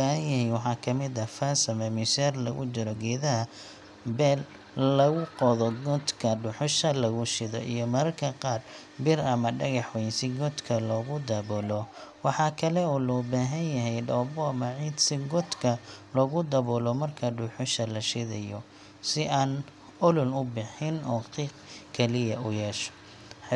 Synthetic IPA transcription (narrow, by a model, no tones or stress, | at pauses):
ahɐnjɐɦɛjwɑħɑːkʰɐmɪðɐfaːsɐmɐmɪsɛːrlɐ̰ɣʊ̰t͡ʃɪɾɔɡɛːðɐɦɐ | bɛːl | lːɐɣʊqɔðɔɡɔd̪kʰɐɖʊħʊʃɐlɐɣʊʃɪðɔ̰ʔḭjɔmɐɾɐrkʰɐqɑːr | bɪrɐmɐɖɐɣɑħwɛjnsɪɡɔd̪kʰɐlɔːɣʊd̪ɐbɔːlɔwɑħɑːkʰɐlɛɔːlɔːbaːɦɐnjɐɦɛjɖɔːbɔɐmɐʕid̪sɪɡɔd̪kʰɐlɔɣʊd̪ɐβɔːlɔmɐrkʰɐɖʊħʊʃɐlɐʃɪðɐjɔ | sɪʔaːn | ʊlʊlʊbɪħɪnɔːqiːqkʰɛlɪjɐʊjɛːʃɔ̥